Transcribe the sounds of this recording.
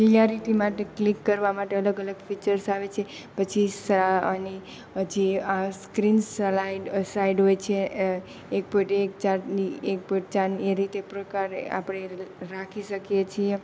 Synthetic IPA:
lijaɾiʈimaʈeklikːəɾʋamaʈeələɡələɡfit͡ʃəɾsaʋet͡ʃʰe | pət͡ʃʰisani | ɦəd͡ʒiaskɾinsaiɖsaiɖɦojt͡ʃʰe | ek̚poʈekt͡ʃaɾniek̚poʈt͡ʃaneɾit̪epɾəkaɾea̰pɽ̃eɾakʰiʃəkjet͡ʃʰie

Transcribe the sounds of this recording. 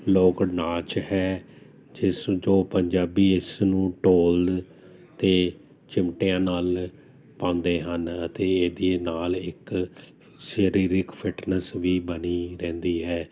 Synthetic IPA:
loːknaːt͡ʃhɛː | d͡ʒɪsd͡ʒoːpəɲd͡ʒaːbiːɪsnũːʈoːld | t̪eː | t͡ʃɪmʈejãːnaːl | pãːʊ̃nd̪eːɦənət̪eːeːd̪ieːnaːlɪk | ʃəɾiːɾɪkpʰɪʈnəsʋiːbəniːɾɛ̃ːnd̪iːɦɛː

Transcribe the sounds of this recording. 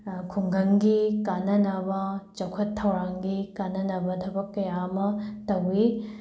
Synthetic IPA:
kʰuŋɡʱɐŋɡikanɐnɐbɐt͡ʃɐkʰɐtʰːɐwɾaŋɡikanɐnɐbɐtʰɐbɐkːɐjamɐtɐwi

